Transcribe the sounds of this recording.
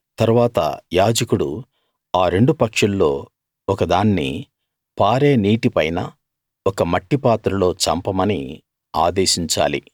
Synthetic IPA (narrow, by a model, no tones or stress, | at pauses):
t̪ɐɾuʋaːt̪ɐ̰jaːd͡ʒɐkuɽṵ | aːɾe̞ɳɖupɐkʂɐlːo̞ː | ɔkɐd̪aːnːḭ | paːɾeːniːʈipɐjnɐ̰ | ɔkɐmɐʈːipaːt̪ɾɐlo̞ːt͡ʃɐ̰mpɐmɐni | aːd̪eːʃiɲt͡ʃa̰ːlḭ